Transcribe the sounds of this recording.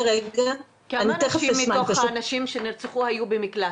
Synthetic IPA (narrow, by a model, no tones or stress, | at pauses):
ʁeɡa | kaniat̪eχeʃimːiaoχhaːnaʃimʃeniʁt͡seχuhajubemikla